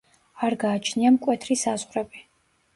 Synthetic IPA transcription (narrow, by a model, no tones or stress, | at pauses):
aɾɡaːt͡ʃʰniamkʷʼwɛt̪ʰrisazʁɾɛbi